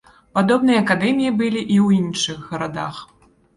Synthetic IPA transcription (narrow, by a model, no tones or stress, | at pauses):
pad̪ɔbnɨjɐɐkad̪ɛmʲijibɨlʲiʔiwjinʂɨɣːɐɾad̪a̰x